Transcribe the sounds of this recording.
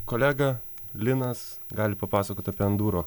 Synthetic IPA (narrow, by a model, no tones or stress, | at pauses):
koːlʲæːɡɐlʲɪnɐsɡɑːlʲɪpɐpɑːsɐkoːt̪ʲɐpʲiːɐnd̪uːɾoː